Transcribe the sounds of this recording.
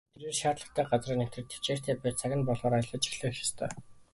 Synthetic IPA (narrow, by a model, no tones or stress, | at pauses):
t̪ʰeɾweːrʃaːt̪ɮə̆χt̪ʰæːɢat͡sriːne̥t̪ɘ̆rt̪ʰe̥t͡ɕeːr̥t̪ʰeːpæːt͡sʰaɣʲɪ̆npɔɮʁɔːɾajə̆ɮɞ̆t͡ɕɪ̥xɮə̆xjḁst̪ʰœ̰ː